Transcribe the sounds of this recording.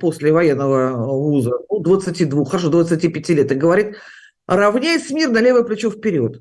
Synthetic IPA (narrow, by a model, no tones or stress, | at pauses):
po̞sʲlʲɪvɐjenːəvəvuzənud̪vət̪sɨtʲid̪vuxxːəɾɐʂ̬od̪vət̪sɨtʲipʲɪtʲilʲet̪ɨɡəvɐɾʲit̪̚ | rɐvnʲæjɪsʲmʲirnɐlʲe̞vəjəplʲɪt͡ɕofpʲɪɾʲot̪